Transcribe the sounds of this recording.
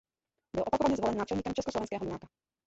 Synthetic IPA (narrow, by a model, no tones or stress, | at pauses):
bɔlʔɔpakɔʋaɲɛzɔlɛnːaːt͡ʃɛlɲiːkɔmt͡ʃɛskɔslɔʋɛnskɛːɦɔlnaːka